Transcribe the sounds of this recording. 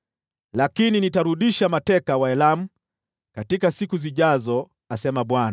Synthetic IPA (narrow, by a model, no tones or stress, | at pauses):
lakininitaɾuɗiʃamatɛkawaɛlam̩ | katikasikuziʄazɔ | asɛmaɓwana